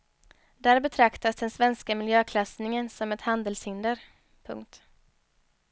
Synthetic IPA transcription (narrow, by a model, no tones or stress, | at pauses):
d̪æːɾbɛt̪ʰɾakt̪asd̪ɛnsvɛnskamɪljøːkʰlasnɪŋənsɔmɛt̪hand̪əlshɪnd̪əɾ | pʰɵ̰ŋkt̪